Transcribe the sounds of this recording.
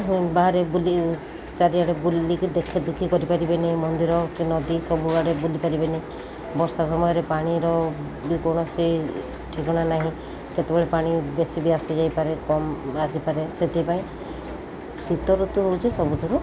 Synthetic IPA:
baɦaɾebuli | t͡ʃaɾiaɽebulikid̪ekʰed̪ukʰikɔɾipaɾibenaɦĩmɔnd̪iɾɔkinɔd̪isɔbubaɽebulipaɾibenaĩ | bɔɾsas̬ɔmɔjɔɾepaɽ̃iɾɔ | bikoɽ̃ɔsij | ʈʰikɔɽ̃anaɦĩ | ket̪ebeɭepaɽ̃ibesibiasid͡ʒajpaɾekɔmasipaɾeset̪ʰipaĩ | sit̪ɔɾut̪uɦout͡ʃʰisɔbut̪ɔɾu

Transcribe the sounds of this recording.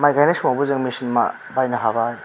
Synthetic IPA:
majɡajnasumabuzɯŋmisinma̰ | bajnaɦabaj

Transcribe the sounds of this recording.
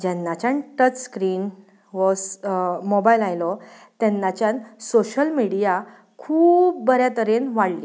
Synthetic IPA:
d͡ʑɛnːat͡ɕanʈət͡sskɾiːn | ʋɔsmɔbajlajlɔ | t̪ɛnːat͡ɕjãnsoɕəlmiɽija | kʰuːp̚bəɾjat̪əɾenʋaɽli

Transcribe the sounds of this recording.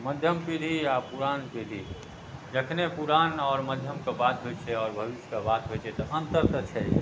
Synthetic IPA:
məd̪ʱjəmpiɾʱiapuɾanpid̪ʱi | d͡ʒəkʰnepuɾaːnɔːɾməd̪ʱjəmkabat̪ɦojt͡ʃʰɛɔːɾbʱəbiskabat̪ɦot͡ʃʰɛt̪ɔʔənt̪əɾt̪ət͡ʃʰɛ

